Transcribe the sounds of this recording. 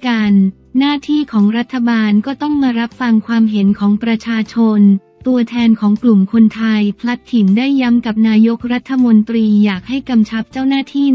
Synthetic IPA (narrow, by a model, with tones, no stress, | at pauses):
ka˧nː | aː˥˩t̪ʰiː˥˩kʰɔː˩˦ŋɾa˦˥t̪ʰːa˧baː˧nkɔː˥˩t̪ɔ˥˩ŋmaː˧ɾa˦˥p̚fa˧ŋkʰwaː˧mɦe˩˦nkʰɔː˩˦ŋpɾa˧t͡ɕʰaː˧t͡ɕʰo˧n | t̪u˧ɐt̪ʰɛː˧nkʰɔː˩˦ŋklu˨˩mkʰo˧nt̪ʰa˧jpʰla˦˥t̪ʰːi˩˦nda˥˩jːa˦˥mka˨˩p̚naː˧jo˦˥k̚ɾa˦˥t̪ʰːa˧mo˧nt̪ɾiː˧jaː˨˩k̚ha˥˩jka˧mt͡ɕʰa˦˥p̚t͡ɕaː˥˩wnaː˥˩t̪ʰiː˥˩